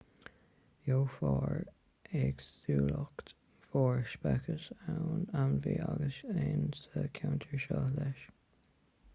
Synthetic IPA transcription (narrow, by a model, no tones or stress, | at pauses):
joːfɑːɹ | ɛɡsuːləkt̪ | fɔːɹʃpɛkʰəsanawnviːʔaɡəseːnsəkʰawnt̪ʰəɹʃɔhlɛʃ